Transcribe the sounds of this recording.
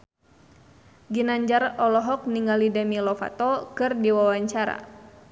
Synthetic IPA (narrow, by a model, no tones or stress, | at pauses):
ɡinaɲd͡ʒarɔlɔɦɔk̚niŋalidamilɔfa̰t̪ɔkɨrdiwawaɲt͡ʃaɾa̰